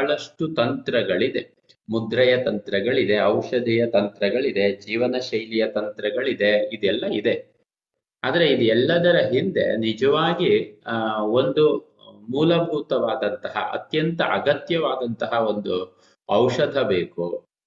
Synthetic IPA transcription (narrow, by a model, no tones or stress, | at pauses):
ɐɭɐʂʈut̪ɐnt̪ɾɐɡɐɭid̪e̞ | mud̪ɾɐjɐt̪ɐnt̪ɾɐɡɐɭid̪e̞ɐwʂɐd̪ʱijɐt̪ɐnt̪ɾɐɡɐɭid̪e̞d͡ʒiːʋɐnɐʃɐjlijɐt̪ɐnt̪ɾɐɡɐɭid̪e̞id̪ɛlːɐid̪e̞ | aːd̪ɐɾe̞id̪iɛlːɐd̪ɐɾɐɦind̪e̞̰nid͡ʒɐʋaːɡi | o̞nd̪u | muːlɐbʱuːt̪ɐʋaːd̪ɐnt̪ɐɦɐ̰ʔɐ̰t̪jɐnt̪ɐʔɐɡɐt̪jɐʋaːd̪ɐnt̪ɐɦɐo̞nd̪u | ɐwʂɐd̪ʱɐbeːku